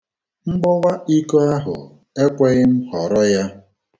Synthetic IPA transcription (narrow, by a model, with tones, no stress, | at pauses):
ŋ͡m̩˦ɡ͡bɔ˦wa˦i˦ko˦a˦ɦʊ̰˨ | e˦kʷe˦ɣɪ˦m̩˦ɦɔ˨ɾɔ˦ja˦